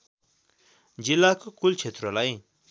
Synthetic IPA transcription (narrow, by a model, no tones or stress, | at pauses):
d͡zilːakokult͡sʰet̪rolaj